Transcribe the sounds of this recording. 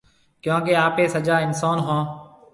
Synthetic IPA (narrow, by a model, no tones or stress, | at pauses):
kjõːkeːaːpeːsəd͡ʒaːɪnsaːnɦõː